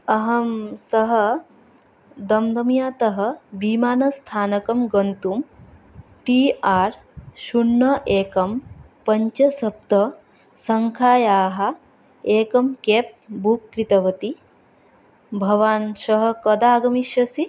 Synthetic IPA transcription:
ɐɦɐmsɐɦɐ | d̪ɐmd̪ɐmjaːt̪ɐɦɐ̆biːmaːnɐst̪ʰaːnɐkɐmɡɐnt̪um | ʈiːaːɾ | ʃunːɐʔeːkɐm | pɐɲt͡ʃɐsɐp̚t̪ɐ | sɐŋkʰaːjaːɦɐ | eːkɐmkeːp̚bukːɾit̪ɐʋɐt̪i | bʱɐʋaːnsɐɦɐ̆kɐd̪aːɡɐmiʃɐsi

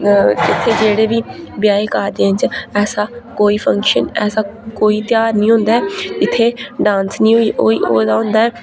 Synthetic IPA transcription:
ɪt̪ʰːeːd͡ʒeːɽeːʋiːbɪjaːikaːd̪eːənt͡ʃɛːsaːkoːiːpʰə̃ŋkʃənɛːsaːkoːiːt̪jaːɾnĩːɦõːnd̪aːɛːd͡ʒɪt̪ʰːeːɖãːnsnĩːɦoiːʔoːiːoːd̪aːɦõːnd̪aːɛː

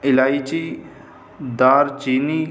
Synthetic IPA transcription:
ɪlaːit͡ʃi | d̪aːɾt͡ʃiːniː

